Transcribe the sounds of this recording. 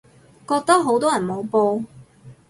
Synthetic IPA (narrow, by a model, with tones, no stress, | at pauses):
kɔː˧k̚t̪ɐ˥k̚ɦo˨˥wt̪ɔː˥jɐ˨˩nmo˨˧wpoː˧